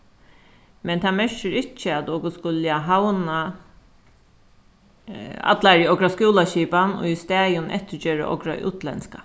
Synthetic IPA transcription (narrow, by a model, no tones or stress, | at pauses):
mɛnt̪ʰaːmœʃəɾɪt͡ʃːəad̪oːɡʊskʊlɪaɦawna | a̰d̪laɹiːɔɡɾaskuːlaʃiːpano̰ːist̪æːjʊnʔɛ̰t̪ɪɾd͡ʒøːɹa̰ʔɔ̰ɡɾa̰ʔʉːt̪ʰlɛnska